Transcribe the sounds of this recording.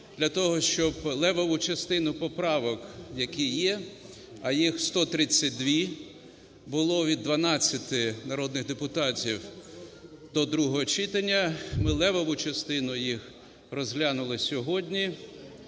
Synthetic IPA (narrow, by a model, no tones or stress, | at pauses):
d̪̥lʲɐt̪ɔɦɔʃt͡ʃɔblˠɛʋɔʋʊt͡ʃɐst̪ɪnʊpɔpɾɑʋɔkjɐkʲijɛ | ɐjixst̪ɔt̪ɾɪt͡sʲːɐt̚ʲd̪ʋʲi | bʊlˠɔʋʲid̪ːʋɐnɑt͡sʲːɐt̪ɪnɐɾɔd̪nɪɣd̪epʊt̪ɑtʲiw | d̪̥ɔd̪ɾuɦɔɦɔt͡ʃit̪ɐnʲːɐmɪlˠɛʋɔʋʊt͡ʃɐst̪ɪnʊjix | rɔzɦlʲanʊlˠɪsʲɔɦɔdʲnʲi